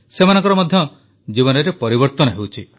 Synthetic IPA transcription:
semanɔ̃ŋkɔɾɔmɔd̪ʱjɔ | d͡ʒiβɔnɔɾepɔɾibɔɾt̪ɔnɔɦewt͡ʃʰi

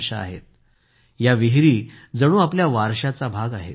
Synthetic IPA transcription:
ʂaa̰ɦet̪̚ | jaʋiɦɾiːd͡zəɽ̃ũːapljaʋaɾɕat͡sabʱaɡaɦḛt

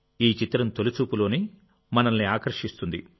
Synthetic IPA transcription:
iːt͡ʃit̪ɾɐmt̪olut͡ʃuːpulo̞ːni | mɐnɐnːiaːkɐɾʂist̪und̪ḭ

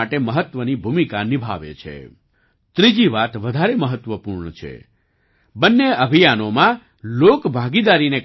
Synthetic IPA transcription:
aʈeməɦət̪ʋənibʱumikanibʱaʋḛt͡ʃʰḛ | t̪ɾid͡ʒiʋat̪ʋəd̪ʱaɾeməɦət̪ʋəpuɾɳət͡ʃʰḛ | bənːeəbʱijanomã | lokbʱaɡid̪aɾinek

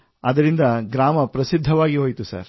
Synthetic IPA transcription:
ɐd̪ɐɾind̪ɐɡɾaːmɐpɾɐsid̪ʱːɐʋaːɡiɦoːjt̪usɐ̰ɾ

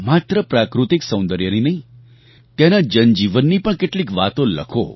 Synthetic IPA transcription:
mat̪ɾəpɾakɾut̪iksə̃w̃nd̪əɾjəninəɦĩ | t̪jenad͡ʒənd͡ʒiʋənːipəɳkeʈlikʋat̪õlə̰kʰo̰

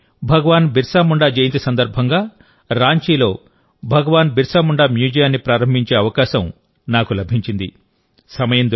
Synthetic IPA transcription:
bʱɐɡɐʋaːnbiɾsaːmuɳɖaːd͡ʒejnt̪isɐnd̪ɐɾbʱɐŋɡaː | ɾaːɲt͡ʃiːlo̞ː | bʱɐɡɐʋaːnbʱiɾsaːmuɳɖaːmjuːd͡ʒijaːnːipɾaːɾɐmbʱiɲt͡ʃe̞ːɐʋɐkaːʃɐm | naːkulɐbʱiɲt͡ʃind̪i | sɐmɐjɐnd̪

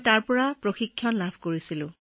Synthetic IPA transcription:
taɹpɔɹapɹoxikʰːjɔnlabʱkoɹisilʊ̰̃

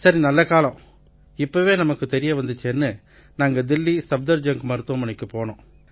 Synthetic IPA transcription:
sɐɾinɐlːɐkaːlɐ̃ | ɪpːoʋeːnɐmɐkːɯt̪ɛɾɪjɐʋɐnd̪ɯt͡ʃːeːnːɯ | naːŋɡɐd̪ɪlːisɐb̚d̪ɐɾd͡ʒɐŋkɯmɐɾɯt̪ːʋɐmɐɳɪkːɯpoːɳõː

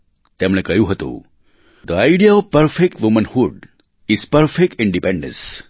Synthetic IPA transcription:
t̪emñekəjuɦət̪ṵ | d̪əaɪɖijaɔʋpəɾfek̚ʈʋumə̃nhuɖ | iz̥pəɾfek̚ʈɪ̃ɳɖipɛ̃ɳɖə̰̃ns

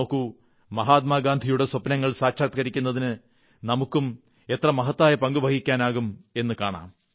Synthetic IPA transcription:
oːkːu | mɐɦaːt̪̚maːɡaːnd̪ʱijuɽe̞swɐpnɐŋːɐɭsaːkʂaːt̪kɐɾikʲːunːɐðinɨ | nɐmukːum | e̞t̪rɐmɐɦɐt̪ːaːjɐpɐŋɡubʱɐɡikʲːaːnaːɣume̞nːɨkaːɳa̰ːm

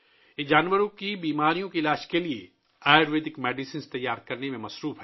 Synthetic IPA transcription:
d͡ʒaːnʋəɾõkibiːmaːɾijõkiɪlaːʃkelie | aːjɾʋeːd̪ɪkmɛːɖisiːnst̪ɐjːaːɾkɐɾnemẽmɐsɾuːfɦɛː

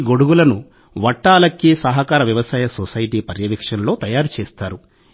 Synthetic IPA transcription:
ɡo̞ɽuɡulɐnu | ʋɐʈːaːlɐkːisɐɦɐkaːɾɐʋjɐʋɐsaːjɐsosɐjiʈiːpɐɾjɐʋikʂɐnlo̞ːt̪ɐjaːɾut͡ʃeːst̪aːɾu

